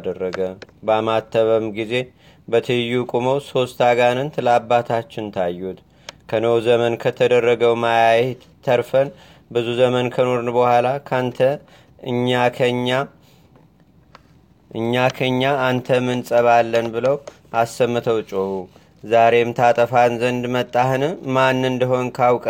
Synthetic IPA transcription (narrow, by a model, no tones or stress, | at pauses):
d̪ərːəɡəbamat̪ːəβəmɡize̞ | bət̪ʰɨjːukʼuməwso̞st̪ʰaɡanɨnt̪ɨlabːat̪ʰat͡ʃːɪnt̪ʰajːut̪ | kʰənowzəmənkʰət̪ʰəd̪ərːəɡəwmajajet̪ | t̪ʰːəɾfən | bɨzuzəmənkʰəno̞ɾɨnbəhʷalakʰant̪ʰə | ɨɲːakʰəɲːa | ʔɨɲːakʰəɲːaːnt̪ʰəmɨnsʼəβalːənbɨləw | ʔasːəmːɨt̪ʰəwt͡ʃʼohu | zaɾe̞mt̪ʰat̪ʼəfanzənd̪mət̪ʼːahɨnɨmanːɨnd̪əɦo̞nkʰawkʼ